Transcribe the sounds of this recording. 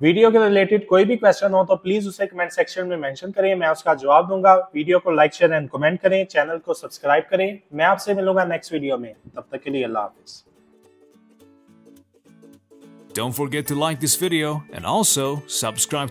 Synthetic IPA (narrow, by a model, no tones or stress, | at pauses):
ʋiːɖijokeɾɪleːʈɪɖkoːibʱikʋɛst͡ʃənɦot̪ʰopliːzʊsekɐmɛ̃ːɳʈsɛkʃənmẽmɛ̃nʃənkɐɾẽmɛ̃ʊskad͡ʒɐʋaːb̚d̪ũːŋɡaʋiːɖijokolaɪk̚t͡ʃeɾɛ̃ːɳɖkɔmɛ̃ɳʈ̚kɐɾẽt͡ʃɛːnəlkosɐbskɾaːɪb̚kɐɾẽmɛ̃aːpsemɪlũːŋɡanɛksʈʋiːɖijoːmẽt̪ɐb̚t̪əkeliːɐlːa̰ːɦɐfiːz̥ | d̥õʊ̃ntfɔɡɛtʰːulaɪk̚ðɪsvɪɾioʊɛ̰̃nɔlˠsoʊsʌb̥skɹaɪb